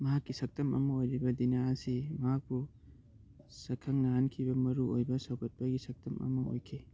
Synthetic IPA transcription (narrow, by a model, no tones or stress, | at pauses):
mɐɦakːisɐk̚tɐmɐ̰mɐojɾibɐdinaɐsimɐɦak̚pu | sɐkʰɐŋnɐɦankʰibɐmɐɾuojbɐsɐwkʰɐt̚pɐɡisɐk̚tɐmɐ̰mɐo̰jkʰe